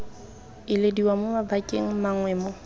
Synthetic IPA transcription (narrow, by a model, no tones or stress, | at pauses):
ɪlediwamʊmabakʼeŋ̩maŋwɛːmo